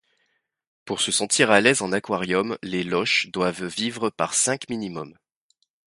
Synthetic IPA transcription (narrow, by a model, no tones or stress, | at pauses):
puʁsəsɑ̃t̪ʰiʁalɛzɑ̃nakwaʁjɔmlelɔʃd̪wavːivʁəpaʁsɛ̃kminimɔm